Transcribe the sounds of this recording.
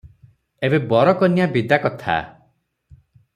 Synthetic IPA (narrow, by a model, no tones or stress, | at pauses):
ebebɔɾɔkɔnijabid̪akɔt̪ʰa̰